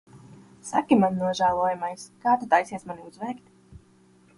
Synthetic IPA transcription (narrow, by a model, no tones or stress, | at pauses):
sa̰kimannuɔʒaːlˠuːjumajskaːt̪at̪ajsiɛsmaniuzvɛːkt̪